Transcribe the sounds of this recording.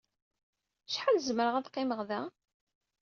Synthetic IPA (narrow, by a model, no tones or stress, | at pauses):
ʃħalzməɾəʁæðqːɪməʁðæ